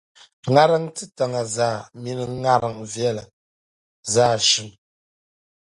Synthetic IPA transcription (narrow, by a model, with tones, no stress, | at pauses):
ŋa˦ɾa˦ŋtɨ˦ta˨ŋa˨zaː˦˨mi˦nɨ˨˦ŋa˦ɾa˨ŋvjɛ˦˨la˨ | za˦˨ʃɨ˨˦ŋ